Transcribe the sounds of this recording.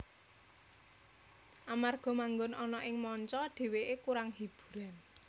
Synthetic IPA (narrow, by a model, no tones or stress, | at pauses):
ʔamarɡ̥ɔ̤maŋɡʊnɔnɔʔɪŋmɔɲt͡ʃɔɖ̥e̤weʔekuɾaŋhib̥u̥̤ɾan